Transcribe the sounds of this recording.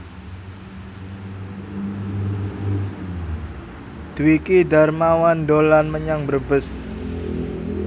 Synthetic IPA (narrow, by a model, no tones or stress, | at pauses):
d̪̥uwikid̪a̤rmawand̪olanməɲaŋbərbəs